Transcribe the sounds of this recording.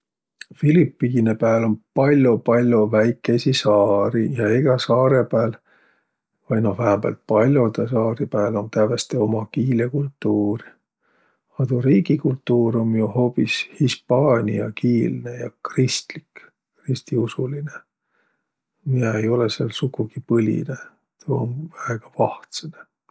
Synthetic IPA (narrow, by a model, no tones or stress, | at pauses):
filipːˑiinepæːlo̞npɑlʲjopɑlʲjovæjkːe̞sisɑːɾijɑiɡ̥ɑsɑːɾe̞pæːl | vɑj̪nohvæhæbæ̰lt̪̚pɑlʲjot̪ɑsɑːɾipæːlo̞nt̪ævest̪eo̞mɑkiːlekult̪ːuːɾi | ɑt̪uɾiːɡikult̪ːˑuːɾo̞mjuho̞ːpishispɑːnʲiɑkiːlne̞jɑkrist̪lik | krist̪iusuline̞ | mieejo̞leselsukːuɡ̥ipɤlʲḭne | t̪ṵːnvæeɡ̥ɑvɑht̪sene